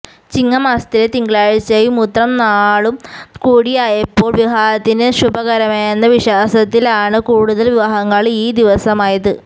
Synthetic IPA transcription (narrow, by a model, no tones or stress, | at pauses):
t͡ɕiŋːɐmɐːst̪ilet̪iŋɡɐɭaːɻit͡ɕːɐjumut̪rɐmnaːɭumkuːɽijaːjɐpːo̞ːɭʋiɦaːɾɐt̪ːinɨɕubɐɣɐɾɐmeːnːɐʋiɕaːsɐt̪ːilaːɳɨkuːɽuðɐlʋiʋaːɦɐŋːɐɭiːd̪iʋɐsɐmaːjɐðɨ